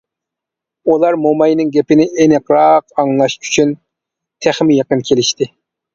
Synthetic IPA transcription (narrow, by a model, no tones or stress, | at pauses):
ulˠɑɾmomɑjnɪŋɡʲɛpɪnɪʔenɪqɾɑqɑŋlˠɑʃʰy̥t͡ʃʰyn | t̪ʰæχmɪjɑqənkʲʰelɪʃt̪ɪ